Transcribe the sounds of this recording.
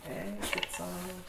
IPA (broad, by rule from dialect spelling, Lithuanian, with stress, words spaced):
ˈɛɪkʲɪt ˈsɐʊ